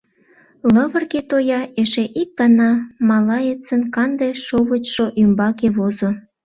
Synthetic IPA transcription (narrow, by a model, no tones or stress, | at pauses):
ləβə̆rket̪ojɑeʃeʔik̚ɡ̥ɑnɑmɑlɑet͡sənkɑnd̪eʃoβət͡ɕʃoʔymbɑkeβozo